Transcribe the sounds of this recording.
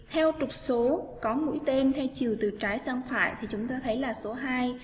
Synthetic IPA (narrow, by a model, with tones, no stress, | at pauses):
t̪ʰɛ˧wt͡ɕʊ˨˩k͡p̚so˨˦kɔ˨˦mṵ˧˥jt̪e˧nt̪ʰɛ˧wt͡ɕi˨˩əwt̪ɨ˨˩t͡ɕaː˨˦jsa˧ŋfa̰ː˧˨jt̪ʰi˨˩t͡ɕʊ˨˦ŋ͡mt̪aː˧t̪ʰə˨˦jlaː˨˩so˨˦ɦaː˧j